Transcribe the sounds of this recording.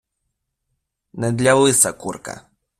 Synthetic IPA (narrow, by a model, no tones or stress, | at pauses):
nɛd̪lʲawɨsakuɾka̰